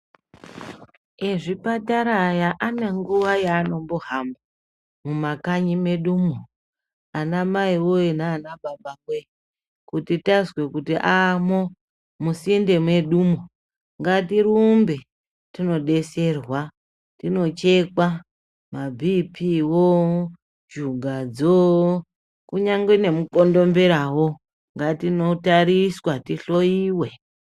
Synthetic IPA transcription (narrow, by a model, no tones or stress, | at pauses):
eʐipataɾajaʔane̞ŋɡuʋajaːno̞mboɦamba | mumakaɲime̞ɗumo | anamaiwoinaːnaɓaɓakwe | kutitazwe̞kutiʔamo | musindemwe̞ɗumo | ŋɡatiɾumbe̞ | tino̞ɗe̞se̞rwa | tino̞t͡ʃe̞ka | mabʱipʰiwo | d͡ʒuɡʱad͡zo | kuɲaŋɡwene̞muko̞ndo̞mbeɾawo | ŋɡatino̞taɾiswatiɬo̞jiːwe̞